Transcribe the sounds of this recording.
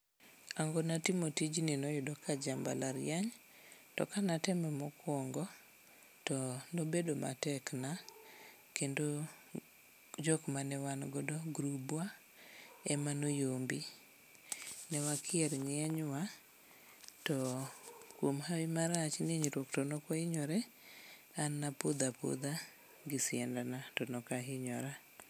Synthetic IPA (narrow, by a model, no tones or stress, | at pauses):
aŋɡɔnatimotid͡ʒninɔjʊdɔkad͡ʒamba̰laɾjaɲ | tɔ̰kanatɛmɛmɔkwɔŋɡɔ | tɔnobedoma̰tɛkna | kendo | d͡ʒɔkmanɛwanɡɔdɔɡɾubwa | ɛmanojombi | nɛwakʰɪɛɾɲɛɲwa | tɔ | kwomhawɪmaɾat͡ʃneɲɾwoktɔnɔkaɪɲɔɾɛ | anːapʊd̪apo̰d̪a | ɡɪsɪɛndanatɔnɔkaɦɪɲɔɾa